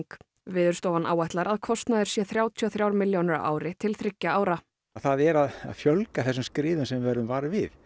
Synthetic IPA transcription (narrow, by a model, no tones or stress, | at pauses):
k | vɪːðʏɾ̥st̪oːwvanʔaːwajht̪laɾaðkʰɔst̪naðɪ̥sjɛθɾjaːwt̪ʰiɔθɾjaːwɾmɪljownɪɾa̰ːwɾɪt̪ʰɪlθɾɪcːaaːwɾa | θaðɛɾaða̰ðfjœlkaθɛsːʏmskɾɪːðʏnsɛmvvɛɾʏmvaːɾɪvɪð